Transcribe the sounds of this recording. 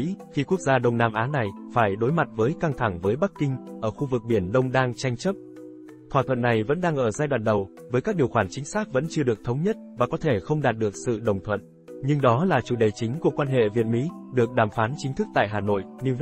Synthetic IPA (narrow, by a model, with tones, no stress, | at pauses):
xi˧ku˦˥ək̚zaː˧ɗə˧wŋ͡mnaː˧mʔaː˨˦na˨˩jfaː˧˩jɗo˨˦jma˨˩t̚vəː˨˦jka˧ŋt̪ʰa˧˩ŋvəː˨˦jɓa˦˥k̚kːï˧ŋʔəː˧˩xu˧vɨ˨˩k̚ɓi˧˩ənɗə˧wŋ͡mɗaː˧ŋt͡ɕa˧jŋ̟t͡ɕə˦˥p̚ | t̪ʰwaː˧˩t̪ʰwə̰˧˨nːa˨˩jvə̰˧˥nɗaː˧ŋʔəː˧˩zaː˧jɗwa̰˧˨nɗə˨˩w | vəː˨˦jkaː˦˥k̚ɗi˨˩əwxwaː˧˩nt͡ɕï˨˦ŋ̟saː˦˥k̚və̰˧˥nt͡ɕɨ˧əɗɨ˨˩ək̚t̪ʰə˨˦wŋ͡mɲə˦˥t̚vaː˨˩kɔ˨˦t̪ʰe˧˩xə˧wŋ͡mɗaː˨˩t̚ɗɨ˨˩ək̚sɨ̰˧˨ɗə˨˩wŋ͡mt̪ʰwə̰˧˨n | ɲɨ˧ŋɗɔ˨˦laː˨˩t͡ɕu˧˩ɗə˨˩t͡ɕï˨˦ŋ̟ku˧˩əkwaː˧nɦḛ˧˨vi˨˩ət̚mḭ˧˥ | ɗɨ˨˩ək̚ɗaː˨˩mfaː˨˦nt͡ɕï˨˦ŋt̪ɨ˦˥k̚t̪a̰ː˧˨jɦaː˨˩no̰˧˨jʔni˧